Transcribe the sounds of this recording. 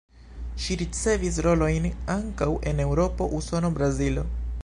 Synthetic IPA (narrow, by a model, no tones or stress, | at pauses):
ʃiɾitsevisɾoloinaŋkawʔenewɾopoʔusonobɾazilo